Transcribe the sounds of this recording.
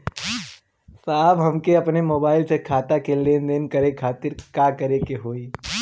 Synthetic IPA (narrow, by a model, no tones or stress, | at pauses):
saːbɦɐmkeɐpnemoːbaːɪlsekʰaːt̪akeleːnd̪eːnkɐɾekʰaːt̪ɪɾkaːkɐɾekeɦoːiː